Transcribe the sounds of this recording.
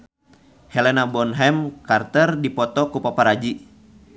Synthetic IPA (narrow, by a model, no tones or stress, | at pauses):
hɛlɛnabɔnɦɛmkart̪ərdipɔt̪ɔkupapaɾad͡ʒi